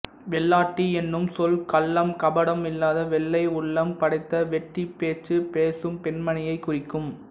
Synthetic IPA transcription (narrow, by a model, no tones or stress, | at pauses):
ʋɛɭːaːʈːiɛnːɯmsɔlkɐlːɐmkɐbɐɽɐmɪlːaːðɐʋɛɭːɐɪʊɭːɐmpɐɽɐɪt̪ːɐʋɛʈːipeːt͡ʃːɯpeːsɯmpɛnmɐnɪjɐɪkʊrɪkːɯm